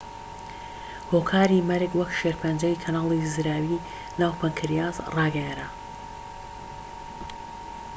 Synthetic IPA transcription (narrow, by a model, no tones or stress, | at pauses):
hoːkʰaːɾimɐɾɨɡwɐkʃeɾpʰɐnd͡ʒɐjkʰɐnaːlˠizɨɾaːwi | naːwpʰɐŋkʰɨɾjaːzrɑːɡɐjaɾa